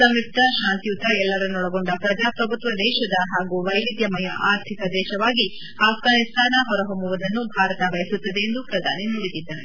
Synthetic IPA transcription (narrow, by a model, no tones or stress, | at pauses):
sɐmip̚t̪ɐʃaːnt̪ijut̪ːɐɛlːɐɾɐnːɔɽɐɡoɳɖɐpɾɐd͡ʒaːpɾɐbʱut̪ʋɐd̪ɛːʃɐd̪ɐɦaːɡuʋɐjʋid̪jɐmɐjɐʔaːɾt̪ʰikɐd̪ɛːʃɐʋaːɡi | aːfɡaːnist̪ʰaːnɐɦɔɾɐɦomuʋɐd̪ɐnːubʱaːɾɐt̪ɐʋɐjɐsut̪ːɐd̪eːnd̪upɾɐd̪ʱaːniniɽid̪id̪ːɐɾe